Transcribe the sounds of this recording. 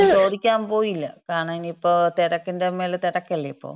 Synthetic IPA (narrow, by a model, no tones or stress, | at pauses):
t͡ɕo̞ːd̪ikʲːaːmpo̞ːjilːɐkaːɳaːiniipːoːt̪iɽɐkːindemeːlt̪iɽɐkːɐlːɐipːo̰ː